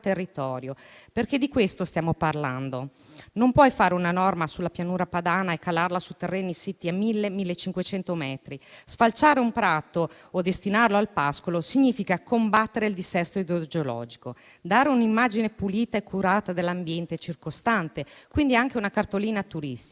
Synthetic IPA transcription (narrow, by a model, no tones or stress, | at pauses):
t̪erːit̪ɔːɾjoperked̪ikwest̪ost̪jaːmoparla̰nd̪o | nompwɔjfaːɾeunanɔrmasulːapjanuːɾapad̪aːnaekːalarlasut̪erːeːnisit̪ːiamːilːemilːet͡ʃːiŋkwet͡ʃɛnt̪omɛːt̪ɾisfalt͡ʃaːɾeumpɾaːt̪oː | d̪est̪inaɾeloalpaskolosiɲːiːfikakombat̪ːeɾeild̪isɛst̪oid̪od͡ʒolɔ̰d͡ʒiko | d̪aːɾeunimːaːd͡ʒinepuliːt̪aekʰːuɾaːt̪ad̪elːambjɛnt̪et͡ʃirkost̪ant̪ekwind̪iaŋk̟eunakart̪oliːnat̪uɾist̪i